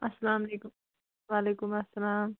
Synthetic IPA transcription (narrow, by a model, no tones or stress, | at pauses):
ɐsːɐlaːmɐlekʊm | waːleːkʊmɐsːɐlaːm